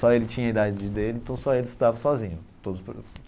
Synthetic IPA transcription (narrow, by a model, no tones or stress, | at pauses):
sɔelɪt͡ʃĩɲɐid̪ad͡ʒɪd͡ʒɪd̪elɪ̃ẽt̪ɐ̃w̃sɔelɪst̪ud̪avɐsɔzĩɲʊt̪od̪ʊsp